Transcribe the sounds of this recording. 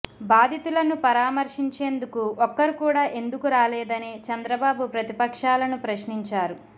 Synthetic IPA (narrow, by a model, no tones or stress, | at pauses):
baːd̪ʱit̪ulɐnupɐɾaːmɐɾʂiɲt͡ʃe̞ːnd̪ukuʔɔkːɐɾikuːɽaːʔe̞nd̪ukuɾaːlɛːd̪ɐnit͡ʃɐnd̪ɾɐbaːbupɾɐt̪ipɐkʂaːlɐnupɾɐʃniɲt͡ʃaːɾu